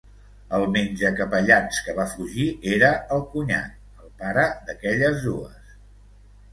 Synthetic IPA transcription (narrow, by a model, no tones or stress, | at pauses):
əlˠmenʲd͡ʒəkəpəʎat͡skəβafuʒieɾəəlˠkuɲa̰ | əlˠpaɾəd̪əkɛʎəzðuəs